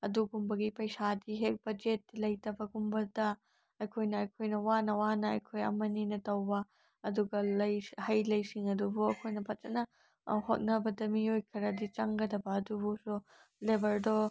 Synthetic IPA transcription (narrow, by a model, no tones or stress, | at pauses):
ɐduɡumbɐɡipɐjsadiɦek̚b̥ɐd͡ʒet̚ːlɐjtɐbɐɡumbɐdɐ | ɐjkʰojnɐːjkʰojnɐwanɐwanɐɐjkʰojɐ̰mɐninɐtɐwbɐ | ɐduɡɐlɐjhɐjlɐjsiŋɐdubuɐkʰojnɐpʰɐt̚tɐnɐ̰ | hot̚nɐbɐdɐmiojkʰɐɾɐdit͡ʃɐŋɡɐdɐbɐːdubusu | lebɐldɔ